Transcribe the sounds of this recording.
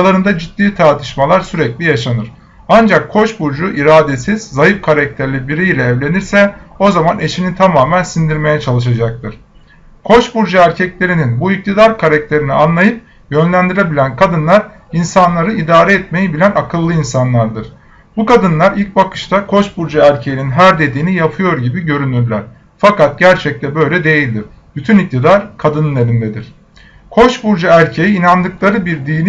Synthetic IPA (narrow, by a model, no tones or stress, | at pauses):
lˠaɾɯnd̪ad͡ʒid̪ːiːt̪ʰaɾt̪ʰɯ̥ʃmalˠaɾsyɾɛclʲijaʃanɯɾ̥ | and͡ʒakʰːo̞ʃbuɾd͡ʒuʔiɾaːd̪e̞siz̥ːajɯfkʰaɾac̚t̪ʰæɾlʲibiɾijlʲɛːvlʲe̞niɾsɛo̞zamane̞ʃinit̪ʰamaːmænsind̪iɾme̞jɛt͡ʃʰalˠɯʃ̬ad͡ʒak̚t̪ʰɯɾ̥ | kʰo̞ʃbuɾd͡ʒaæɾcʰɛclʲe̞ɾininbuic̚t̪ʰid̪aɾkʰaɾac̚t̪ʰe̞ɾinianlˠajɯp̚ | jø̞nlʲænd̪iɾʲebilʲænkʰad̪ɯnlˠaɾ | insanlˠaɾɯid̪aːɾɛɛt̪me̞jibilʲænakʰɯlˠːɯinsanlˠaɾd̪ɯɾ̥ | bukad̪ɯnlˠaɾilʲc̚bakɯ̥ʃt̪ʰakʰo̞ʃbuɾd͡ʒaæɾcʰejininɦæɾd̪e̞d̪iːnijapʰɯjo̞ɾɟibiɟø̞ɾynyɾlʲæɾ̥ | fakat̪̚ɟæɾt͡ʃʰɛc̚t̪ʰɛbø̞jlʲɛd̪e̞jilʲd̪iɾ̥ | b̥yt̪ʰynic̚t̪ʰid̪aɾkʰad̪ɯnlˠeɾind̪ɛd̪iɾ̝̥ | kʰo̞ʃbuɾd͡ʒaæɾcʰe̞jiːnand̪ɯklˠaɾɯbiɾd̪iːnʲ